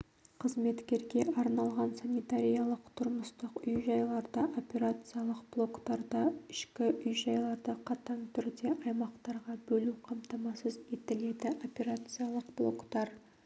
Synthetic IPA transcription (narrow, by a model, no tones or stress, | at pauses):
qʰəzme̞t̪kʲe̞ɾɡʲe̞ʔɑɾnɑlˠʁɑnsanʲijt̪aɾʲijalˠəqt̪ʰʊɾməst̪əqʏjʒɑjlˠɑɾd̪ɑʔo̞pʲe̞ɾat̪sɨjalˠəqb̥lˠo̞kt̪ɑɾd̪ɑɪ̥ʃkʲɪʔʏjʒɑjlˠɑɾd̪ɑqʰɑt̪ɑŋt̪ʰʏɾd̪e̞ʔɑjmɑqt̪ɑɾʁɑbɵluqʰɑmt̪ɑmɑsəze̞t̪ɪle̞d̪ɪʔo̞pʲe̞ɾat̪sɨjalˠəqblˠo̞̰kt̪ɑɾ